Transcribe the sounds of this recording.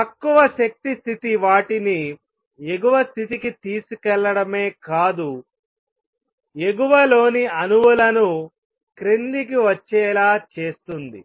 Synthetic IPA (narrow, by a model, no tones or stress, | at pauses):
pɐkːuʋɐʃɐk̚t̪ist̪ʰit̪iʋaːʈini | e̞ɡuʋɐst̪ʰit̪ikit̪iːsukɛlːɐɽɐme̞ːkaːd̪u | eɡuʋɐlo̞ːniɐnuʋulɐnu | kɾenlik̬iʋɐt͡ʃːɛːlaːt͡ʃe̞ːst̪und̪i